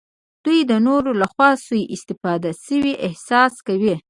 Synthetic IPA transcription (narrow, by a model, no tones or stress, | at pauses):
d̪̥ujd̪ənoɾolaxwɑsujʔɪst̪ɪfɑd̪asəwiʔɪhsɑskawi